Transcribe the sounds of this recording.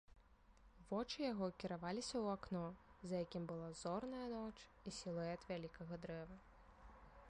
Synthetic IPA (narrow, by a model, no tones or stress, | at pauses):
vɔt͡ʃɨjaɣɔkʲiɾavalʲisʲɐwaknɔzɐjakʲimbɨlˠazɔrnɐjɐnɔt͡ʂisʲilˠɐjɐd̪vʲalʲikɐɣɐd̪ɾɛvɐ